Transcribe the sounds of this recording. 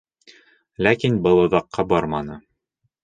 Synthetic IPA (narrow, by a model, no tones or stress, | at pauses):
lækinbɤlˠŏðɑqːɑbɒɾmɑnɤ